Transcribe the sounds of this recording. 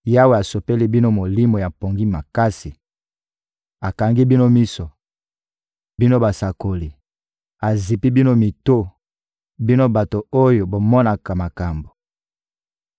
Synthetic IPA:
ja˦we˨a˨so˨pe˦li˦bi˦no˦mo˨li˦mo˨ja˨po˨ŋɡi˦ma˨ka˦si˨ | a˨ka˨ŋɡi˦bi˦no˦mi˦so˨ | bi˦no˦ba˨sa˨ko˨li˨ | a˨zi˨pi˦bi˦no˦mi˨to˦ | bi˦no˦ba˨to˨o˦jo˨bo˨mɔ˦na˨ka˨ma˨ka˨mbo˨

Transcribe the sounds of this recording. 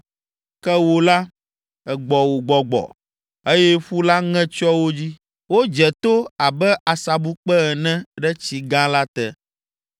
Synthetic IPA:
kɛ˦wo˦la˦ | ɛ˨ɡ͡bɔ˨wo˨ɡ͡bɔ˨ɡ͡bɔ̰˨ | e˦jɛ˦ɸu˦la˦ŋɛ̃˦t͡ʃɔ˦wo˦d͡ʑi˦ | wo˦d͡ʒɛ˨t̪o˦a˨bɛ˦ʔa˨sa˨bu˦k͡pɛ˦ɛ˨nɛ̃˦ɖɛ˦t͡ɕi˨ɡã˦la˦t̪ɛ˦

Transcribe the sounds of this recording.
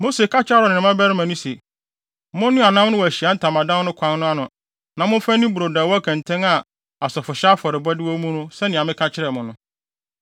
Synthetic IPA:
mo˦se˨kʰa˦t͡ɕʰɪ˦a˦ɾɔ˨nɪ̃˨nɪ̃˨mã˦bɛ˦ɾɪ˦mã˨nũ˦se˨ | mʊ̃˦nːʊ̃˦a˨nã˦m˦nʊ̃˦wɔ˨æ˨ɕi˨a˨˦n̩˦tʰã˨mã˨dã˦n˦nʊ̃˦kʰã˦nnʊ̃˦a˦nʊ̃˨ | nã˨mʊ̃˦fã˦nĩ˦bu˨ɾo˨daː˨wɔ˦æ˦kʰɛ̃˨n˨tʰɛ̃˦ŋa˨ | a˨sɔ˨fʊ˨ɕa˦fɔ˨ɾɪ˨bɔ˦dɪ˦wɔ˦mũ˦nʊ̃˦sɛ˦nɪ̃˨ã˨mɪ̃˦kʰa˦t͡ɕʰɪ˦ɾɛ˨mʊ̃˨nʊ̃˦

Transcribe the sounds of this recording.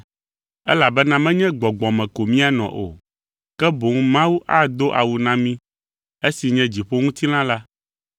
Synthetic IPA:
ɛ˦la˨bɛ˦nã˦mɛ̃˦ɲɛ̃˦ɡ͡bɔ˨ɡ͡bɔ̃˨mɛ̃˨ko˨mĩ˦a˨nɔ̰̃˨ʔo˨ | kɛ˦bo˨ŋũ˦mã˦wu˦ʔa˦d̪o˦ʔa˨wu˨nã˦mĩ˦ | e˦si˨ɲɛ̃˦d͡ʑi˨ɸo˦ŋũ˦t̪i˦nã˦la˦

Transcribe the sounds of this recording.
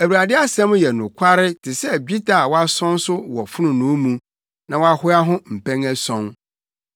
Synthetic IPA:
æ˨wɾa˨dɪ˦a˦sɛ̃˦m˦jɛ˨nʊ̃˨kʷʰa˦ɾɪ˦tʰɪ˨sɛ˦˨bi˦tʰa˨wɔ˦a˦sɔ̃˦n˦sʊ˦wɔ˨fʊ˦nʊ̃˨nʊ̃˨˦mũ˨ | nã˨wɔ˦a˦hʊ˦a˦ɦʊ̃˦m̩˨pʰɛ̃˦ŋæ˦sɔ̃˦n

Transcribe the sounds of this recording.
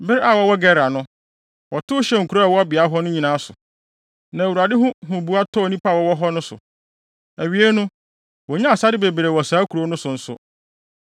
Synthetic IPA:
bɪ˦ɾa˨wɔ˦wɔ˦ɡɛ˦ɾa˨nʊ̃˦ | wɔ˨tʊ˦ʊ˦ɕɛ˦˨ŋ̩˨kʰu˨ɾa˦a˨wɔ˦a˦bɪ˨a˨˦ɦɔ˦nʊ̃˦ɲĩ˨nãː˨˦sʊ̰˨ | nã˨æ˨wu˨a˨dɪ˦ɦʊ̃˦ɦʊ̃˨bu˨˦a˦tʰɔ˦˨nĩ˦pʰa˦˨wɔ˦wɔ˦ɦɔ˦nʊ̃˦sʊ̰˨ | æ˨ɥi˨˦e˦nʊ̃˦ | wɔ˨ɲã˦a˨sa˦dɪ˦be˨bɾe˨wɔ˨saː˨˦kʰu˨ɾo˦nʊ̃˦sʊ˨n̩˦sʊ̰˦

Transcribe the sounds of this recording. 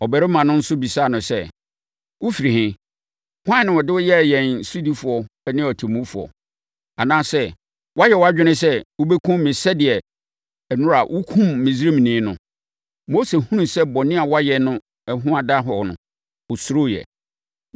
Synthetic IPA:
ɔ˨bɛ˨ɾɪ˦mã˨nʊ̃˦n̩˦sʊ˦bi˨saː˦˨nʊ̃˨sɛ˦ | wʊ˦fi˨ɾi˨hɪ̃˦ | hã˦˨nɪ̃˦ɔ˨dɪ˦wʊ˦jɛ˦˨jɛ̃˨n˨su˦di˦fʊ˨ɔ˨˦nɪ̃˦ɔ˨tʰi˨mũ˦fʊ˨ɔ̰˨ | a˨nãː˦sɛ˦ | wa˦jɛ˨wa˦d͡ʑᶣɪ˦nɪ̃˦s̬ɛ˦wʊ˦bɛ˦kʰũ˦mmɪ̃˨sɛ˦dɪ˨ɛ˨ | nʊ̃˦ɾa˨ʔʊ˦kʰũ˦mːĩ˨zi˦ɾe˦mĩ˨nĩ˨˦nʊ̃˨ | mo˦se˨hũ˦nũ˨sɛ˦bɔ˨nɪ̃˦a˨wa˦jɛ˨nʊ̃˦ | ɛ˦ɦʊ̃˦a˨da˦ɦɔ˨nʊ̰̃˨ | ʊ˨sʊ˦ɾo˦˨jɛ̰˨

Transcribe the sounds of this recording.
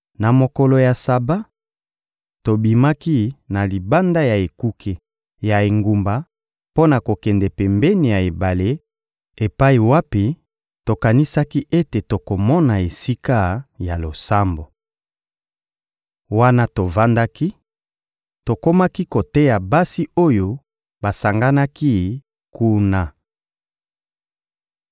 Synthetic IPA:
na˨mo˨ko˨lo˨ja˨sa˨ba˦ | to˨bi˨ma˦ki˦na˨li˨ba˦nda˦ja˨e˨ku˦kʰe˨ | ja˨e˨ŋɡu˨mba˨ | po˦na˨ko˨kɛ˨ndɛ˨pɛ˨mbɛ˦ni˨ja˨e˨ba˨le˦ | e˨pa˦i˨wa˦pi˨ | to˨ka˨ni˦sa˦ki˦ʔe˦te˨to˨ko˨mɔ˦na˨e˨si˦ka˦ja˨lo˨sa˦mbo˨ | wa˦na˦to˨va˦nda˦ki˦ | to˨ko˦ma˦ki˦ko˨tɛ˦ja˨ba˦si˦o˦jo˦ | ba˨sa˨ŋɡa˦na˦ki˦ | kʰu˦na˦

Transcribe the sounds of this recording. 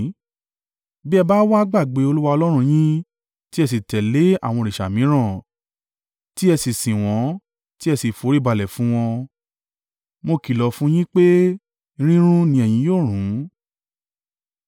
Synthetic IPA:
bɛ˦˧ba˦wa˦ɡ͡ba˦˨ɡ͡be˨˦o˧lu˦wa˧ɔ˧lɔ˦ɾ̃ũ˧jĩ˦ | ti˦ɛ˧s̬i˨tɛ˨le˨˦a̰˦˨w̃ɔ̃˧ɾi˨ʃa˨mĩ˨˦ɾ̃ã˦˨ | ti˦ɛ˧si˨sĩ˨w̃ɔ̃˨˦ | ti˦ɛ˧si˨fo˨˦ɾi˦˨ba˧lɛ˨fũ˨˦w̃ɔ̃˧ | mo˧ki˨lɔ˨fũ˦j̃ĩ˦k͡pe˦ | i˧ɾ̃ĩ˦ɾ̃ũ˦nĩ˧ɛ˨jĩ˨˦joː˦˨ɾ̃ũ˨˦

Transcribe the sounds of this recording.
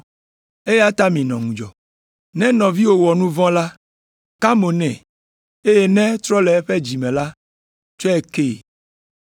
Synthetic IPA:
e˦je˦a˦t̪a˦mĩ˨nɔ̃˨ŋũ˨d͡ʒɔ˨ | nɛ̃˦nɔ̃˨vi˦wo˨wɔ˨nũ˦vɔ̃˦la˦ | ka˦mo˨nɛ̰̃˨ | e˦je˦nɛ̃˦t̪ɾɔ˦lɛ˨e˦ɸe˦d͡ʑi˨mɛ̃˨la˦ | t͡ʃo˦e˦˨ke˦˨

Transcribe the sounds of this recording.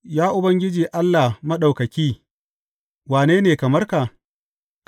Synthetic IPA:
jaː˦ʔʊ˨bɐ˦ŋɡʲɪ˦d͡ʒiː˨ʔa˦lːa˨hmɐ˦ɗa˨wkɐ˨kʲiː˦ | waː˨neː˦neː˨kɐ˨mɐ˦rka˨ | k

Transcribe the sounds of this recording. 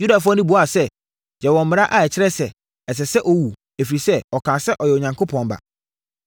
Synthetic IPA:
ju˦da˨fʊ˦ɔ˦nʊ̃˦bu˨˦a˨sɛ˦ | d͡ʑɛ˨wɔ̃˨m̩˨mɪ̃˨ɾa˦ʔa˨ɛ˨t͡ɕʰɪ˦ɾɛ˦sɛ˨ | ɛ˨s̬ɛ˨sɛ˦ʔɔ˦˨wu˨ | e˨fi˨ɾi˨sɛ˦ɔ˨kʰãː˨sɛ˦ʔɔ˨jɛ˨o˨ɲã˨ŋkʰo˦pʰɔ̃˨n˨ba̰˨

